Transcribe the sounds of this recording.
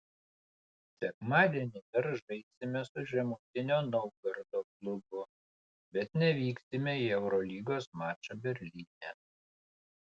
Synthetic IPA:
sʲɛkmɑːd̪ʲiɛnʲɪd̪ɐɾʒɐɪsʲɪmʲɛsʊʒʲɛmuːt̪ʲɪnʲoːnɐʊɡɐɾd̪oːklˠʊbʊ | bʲɛt̪nʲɛʋʲiːksʲɪmʲɛiɛʊɾɔlʲiːɡoːsmɑːt͡ʃɐbʲɛɾʲlʲiːnʲɛ

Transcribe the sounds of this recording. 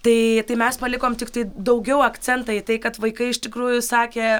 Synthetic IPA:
t̪ɐɪt̪ɐɪmʲɛspɐlʲɪkoːmt̪ʲɪkt̪ɐɪd̪ɐʊɡʲɛʊɐkt͡s̪ʲɛnt̪ɐit̪ɐɪkɐt̪ʋɐɪkɐɪɪʃt̪ʲɪkɾuːjʊsɑːkʲeː

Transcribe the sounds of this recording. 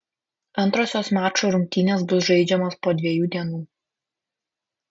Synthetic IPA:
ɐnˑt̪ɾoːsʲoːsmʲæːt͡ʃoːɾʊŋʲk̚ʲt̪ʲiːnʲeːsbʊsʒɐɪd͡ʒʲɛmoːspoːd̪ʲʋʲiɛjuːd̪ʲiɛnuː

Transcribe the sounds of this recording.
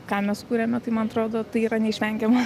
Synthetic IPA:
kɑːmʲɛssʊkuːɾʲemʲɛt̪ɐɪmɐnɐt̪ɾoːd̪oːt̪ɐɪiːɾɐnʲɛɪʃʲʋʲɛŋʲɡʲɛmɐ

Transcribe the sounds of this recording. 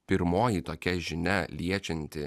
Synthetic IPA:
pʲɪɾmoːjit̪oːkʲɛʒʲɪnʲɛlʲiɛt͡ʃʲɛnʲt̪ʲɪ

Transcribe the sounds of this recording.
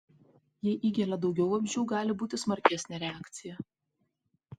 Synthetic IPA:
jɛʔiːɡʲɛlʲɐd̪ɒʊɡʲɛʊɐmʲʒʲɛʊɡɑːlʲɪbuːt̪ʲɪsmɐɾʲkʲæsʲnʲɛɾʲɛɑːkt̪sʲɪjɛ

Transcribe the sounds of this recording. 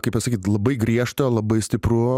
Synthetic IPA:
kɐɪpɐsɐkʲiːt̪lˠɐbɐɪɡɾʲiɛʃt̪olˠɐbɐɪsʲt̪ʲɪpɾʊ

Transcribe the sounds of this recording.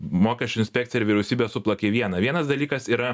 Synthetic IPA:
moːkʲɛsʲt͡ʃʲʊɪnʲsʲpʲɛːk̚t̪ʲɪjɪɾʋʲɪɾʲɛʊsʲiːbʲesʊplˠɐkʲeʋʲiɛnɐʋʲiɛnɐsd̪ɐlʲiːkɐsiːɾɐ

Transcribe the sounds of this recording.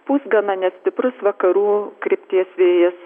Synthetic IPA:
puːsɡɐnɐnʲɛsʲt̪ʲɪpɾʊsʋɐkɐɾuːkɾʲɪpʲt̪ʲiɛsʋʲeːjɪs

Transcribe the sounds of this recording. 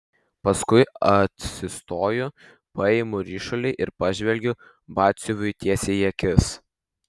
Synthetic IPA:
pɐskʊɪɐt̪ʲsʲɪst̪oːjʊ | pɐɛɪmʊɾʲiːʃolʲɛɪʔɪɾpɑʒʲʋʲɛlʲɡʲʊ | bɑːt̪ʲsʲoʋʲʊjt̪ʲiɛsʲejiɛkʲɪs

